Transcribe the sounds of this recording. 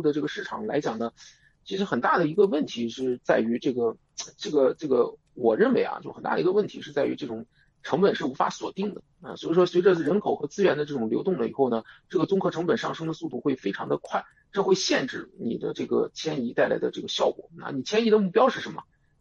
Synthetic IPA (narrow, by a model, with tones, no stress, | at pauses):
d̪ə˩ʈ͡ʂɤ˥˩ɡə˩ʂɻ̩˥˩ʈ͡ʂʰɑ˨˩˦ŋla˧˥ɪt͡ɕjɑ˨˩ŋd̪ə˦ | t͡ɕʰi˧˥ʂɻ̩˧˥xə˨˩nt̪a˥˩d̪ə˩i˧˥ɡə˧wə˥˩nt̪ʰi˧˥ʂɻ̩˥˧t͡sa˥˩ɪy˧˥ʈ͡ʂɤ˥˩ɡə˩ | ʈ͡ʂɤ˥˩ɡə˩ʈ͡ʂɤ˥˩ɡə˩ | wɔ˨˩ɻə˥˩nwe˧˥ɪa̰˩t͡ɕjʊxə˨˩nt̪a̰˥˩d̪ə˩˧˥ɡə˧wə˥˩nt̪ʰi˧˥ʂɻ̩˥˧t͡sa˥˩y̰˧˥ʈ͡ʂɤ˥˩ʈ͡ʂʊ˨˩˦ŋ | ʈ͡ʂʰɤ˧˥ŋpə˨˩nʂɻ̩˥˩u˧˥fa̰˧˥swɔ˨˩t̪i˥˩ŋd̪ə˩ɐ̰˧˩swɔ˧˥i˨˩ʂwɔ˥swe˧˥ɪʈ͡ʂə˥˧ɻə˧˥nkʰo˨˩ʊxɤ˧˥t͡sɹ̩˥ɥɛ˧˥nd̪ə˧ʈ͡ʂɤ˥˩ʈ͡ʂʊ˨˩ŋljo˧˥ʊt̪ʊ˥˩ŋlə˨˩ḭ˨˩xo˥˩ʊnə˩ʈ͡ʂɤ˥˩ɡə˩t͡sʊ˥ŋkʰɤ˥˩ʈ͡ʂʰɤ˧˥ŋpə˨˩nʂɑ˥˧ŋʂɤ˥ŋd̪ə˨˧su˥˧t̪u˥˩xwe˥˩ɪfe˥ɪʈ͡ʂʰɑ˧˥ŋd̪ə˧kʰwa˥˩ɪ | ʈ͡ʂɤ˥˧xwe˥˧ɪɕjɛ˥˧nʈ͡ʂɻ̩˥˩nḭ˨˩d̪ə̰˦ʈ͡ʂɤ˥˩ɡə̰˩t͡ɕʰjɛ˥ni˧˥t̪a˥˩ɪla̰˧˥ɪd̪ə˧ʈ͡ʂɤ˥˩ɡə˧˩ɕjɑ˥˩ʊkwɔ̰˨˩˦na̰˥˩ni˨˩t͡ɕʰjɛ˥ni˧˥d̪ə˧mu˥˩pjɑ˥ʂɻ̩˥˩ʂə˧˥nmə̰˧